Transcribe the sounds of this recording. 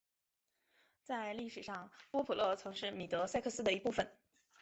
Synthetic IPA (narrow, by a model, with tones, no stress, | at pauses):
t͡sa˥˧ɪli˥˩ʂɻ̩˨˩ʂɑ˥˧ŋpwɔ˥pʰu˨˩lɤ˥˩t͡sʰɤ˧˥ŋʂɻ̩˥˩mi˨˩t̪ɤ˧˥sa˥˧ɪkʰɤ˥˩sɹ̩˥d̪ə˨˩i˧˥pu˥˩fə˨˩n